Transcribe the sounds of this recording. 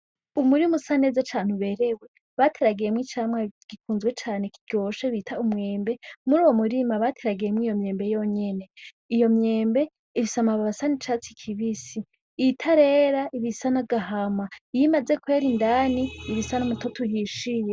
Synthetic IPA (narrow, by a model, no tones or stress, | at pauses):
umuɾimusane̞ːzat͡ʃaːn̥uβe̞ːɾewe̞ | βatʰeɾaɡiɾemwiːt͡ʃaːmŋaɡ̥ikuːnzwe̞t͡ʃaːne̞kiɡ̥o̞ːʃeβitʰaumŋe̞ːmbe̞muɾuːwomuɾimaβatʰeɾaɡiɾemwiːjo̞mɲe̞ːmbe̞joɲe̞ne̞ | ijo̞mɲe̞ːmbe̞ | iβisamaβaβasanit͡ʃaːt͡sikʰiβisi | itʰaɾe̞ːɾaʔiβisanaɡaɦamajimazekwe̞ɾindaniːβisanamutʰotʰuɦiʃije